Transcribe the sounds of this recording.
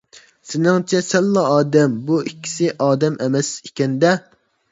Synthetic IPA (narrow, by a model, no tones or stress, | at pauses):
sɪnɪŋt͡ʃʰɛsɛlːɑɑːd̪ɛmbuikʲʰːi̥sɪʔɑːd̪ɛmɛmɛsikʲɛnd̪ɛ